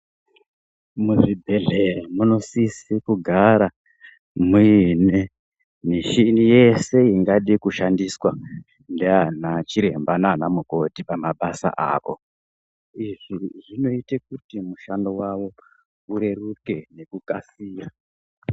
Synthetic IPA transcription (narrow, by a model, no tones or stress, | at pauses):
muʐibʱe̞ɮeremuno̞sisikuɡʱaɾa | muine | niʃinije̞se̞iŋɡaɗikuʃandiswa | ndeanat͡ʃiɾe̞mbananamuko̞tipamaɓasa̰ʔa̰ːko̞̰ | iʐiʐino̞itek̚utimuʃandowaʋo̞ | uɾe̞ruke̞ne̞kukasiːra